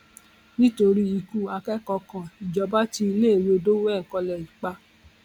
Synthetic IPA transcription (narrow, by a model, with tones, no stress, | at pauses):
nĩ˦to˧ɾi˦i˧ku˦a˧kɛ˦kɔ˧kã˨i˨d͡ʒɔ˧˦ba˦ti˧i˧leː˦˨wo˧do˦wɛ˦˨ŋ̩˨kɔ˧lɛ˨i˨k͡pa˧